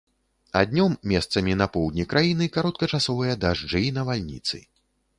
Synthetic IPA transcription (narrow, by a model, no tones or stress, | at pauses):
ad̪ʲnʲɔmːʲɛst̪sɐmʲinɐpɔwd̪ʲnʲikɾʔajinɨkaɾɔt̪̚kɐt͡ʂasɔvɨjɐd̪aʐd͡ʐɨnɐvalʲnʲḭt̪sɨ̰